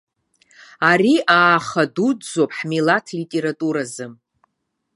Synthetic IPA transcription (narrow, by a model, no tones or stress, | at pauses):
ariʔaːχadud͡zopʼħmilatʰlitʼe̞ɾatʼuɾazɨm